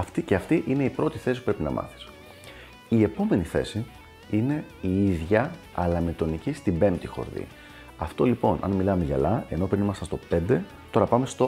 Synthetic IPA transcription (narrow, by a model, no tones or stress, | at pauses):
ɐft̪ice̞ɐft̪iʔine̞ipɾo̞t̪iθesipu̥pɾepinɐ̰mɐ̰θi̥s | ie̞po̞me̞niθe̞̰si | ine̞iiðʝɐɐlɐmet̪o̞nicist̪ibe̞mt̪ixo̞̰ɾðḭ | ɐft̪o̞lipo̞nɐ̰nmilɐmeʝɐ̰lɐeno̞pɾinimɐst̪ɐnst̪o̞pe̞nd̪e̞ | t̪o̞ɾɐpɐme̞st̪o̞